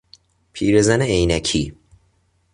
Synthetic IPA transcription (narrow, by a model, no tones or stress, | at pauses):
pʰiːɾezæneejnæcʰiː